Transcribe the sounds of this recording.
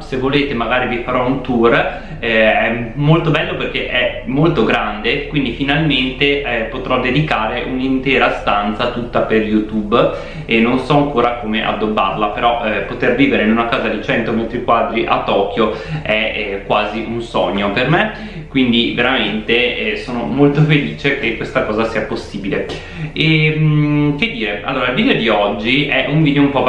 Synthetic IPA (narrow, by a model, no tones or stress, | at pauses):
sevːoleːt̪emaɡaːɾivifaɾɔunt̪ur | ɛmolt̪obɛlːoperk̟eʔɛmːolt̪oɡɾand̪ekwind̪ifinalment̪eɛpot̪ɾɔd̪ed̪ikaːɾeʔunint̪ɛːɾast̪ant̪sat̪ut̪ːaperjut̪ub | enːonsɔaŋkoːɾakomeʔa̰d̪ːobːa̰rlapeɾɔʔpot̪erviːveɾeinunakaːzad̪it͡ʃɛnt̪omɛt̪ɾikwad̪ɾiʔa̰t̪ːɔːkjoɛkwaːziʔunsɔɲːoperme | kkwind̪iveɾament̪eɛsoːnomolt̪ofeliːt͡ʃekekːwest̪akɔːzasiːaposːiːbile | ɛmked̪ːiːɾea̰lːoːɾailviːd̪eod̪iɔd͡ʒːiɛʔuɱviːd̪eoumpɔ